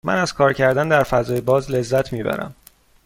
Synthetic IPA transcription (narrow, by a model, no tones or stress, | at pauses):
mʔæ̰næz̥kʰɒːɾcʰæɾd̪ænd̪æɾfæzɒːjebɒːzle̞zːæt̪ʰmiːbæ̰ɾæ̰m